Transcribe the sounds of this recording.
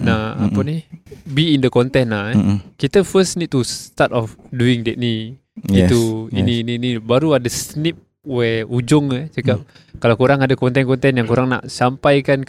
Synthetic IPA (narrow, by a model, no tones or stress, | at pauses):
naa̰ppanihbiːndəkɔnt̪ɛnːakit̪əfəsnit̪̚tːust̪at̪ɔfduɪŋdɛʔ̚ni | itt̪uḭniːninibaɾuadasnɪp̚ | wɛud͡ʒʊŋəsəkap̚ | kalawkuɾaŋadakɔnt̪̬ɛnkɔnt̪ɛnjaŋkuɾaŋna̰ʔsampajkan